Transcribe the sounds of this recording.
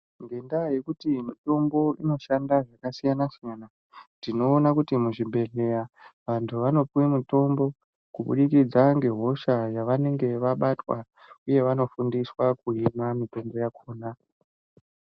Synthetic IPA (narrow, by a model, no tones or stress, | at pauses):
ŋɡe̞ndaje̞kutimito̞mbo̞ino̞ʃandaʐakasijanasijana | tdino̞ːnakutimuʐibʱe̞ɮe̞jaʋantʰuʋano̞puwimito̞mbo̞ | kuɓṵɗikid͡zaŋɡe̞ɦo̞ʃajaʋane̞ŋɡe̞ʋaɓatwa̰ | uje̞ʋano̞fundiswakuimamito̞mbo̞jakʰoːna